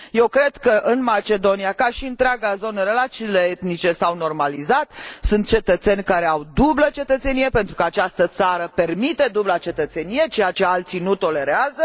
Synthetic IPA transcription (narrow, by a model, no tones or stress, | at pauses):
je̞wkɾe̞d̪kəʔɨnmat͡ʃe̞d̪o̞nijakaʃiɨnt̪ɾeaɡazo̞nəɾelat̪t͡ʃiːle̞et̪nit͡ʃe̞sawno̞rmalizat̪sunt̪̚t͡ʃe̞t̪ət̪se̞nʲkaɾe̞awd̪ublət͡ʃe̞t̪ət̪se̞nije̞pe̞nt̪ɾukəat͡ʃast̪ət̪saɾəpe̞rmit̪e̞d̪ublat͡ʃe̞t̪ət̪se̞nije̞t͡ʃe̞jat͡ʃe̞alt̪sinut̪o̞le̞ɾeazə